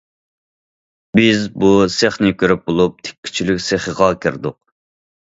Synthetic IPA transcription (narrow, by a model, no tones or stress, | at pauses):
bɪzbuseχnɪkʲʰøɾyp̚bolˠup̚t̪ʰe̥kʲʰːy̥t͡ʃʰilykʲseχəʁɑkʲʰiɾd̪ʊ̰q̚